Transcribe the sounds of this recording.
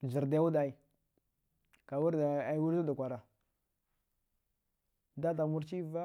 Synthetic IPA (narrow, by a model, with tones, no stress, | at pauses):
zi˨ɾda˦u˦da˨i˨ | ka˨wu˦ɾda˨a˨˦wu˦ɾu˦da˨kʷa˨ɾa˨ | da˦ta˨mu˦ɾt͡ʃi˦va˦